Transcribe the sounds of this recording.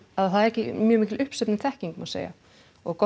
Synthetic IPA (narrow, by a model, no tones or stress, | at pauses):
aðθaðɾɛhcɪmjœːmiːcɪlʏhpsɛpnɪmθɛhciŋkmasḛja̰ | ɔɣkɔ